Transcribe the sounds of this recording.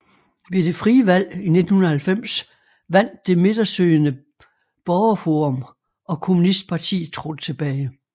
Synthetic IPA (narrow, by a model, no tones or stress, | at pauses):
ʋe̝d̥e̝fʁiːəʋæl̰ine̝d̥n̩hunɐhælfem̰s | ʋæn̰d̥ːe̝me̝d̥ɐsøːɪnə | b̥ɒʊɐfoːʁɔ̽m | ɒ̽kʰo̝munisd̥̚pʰɑ̈t͡sʰḭːðˠt͡sʰʁɔd̥ət͡sʰe̝b̥ɛːɪ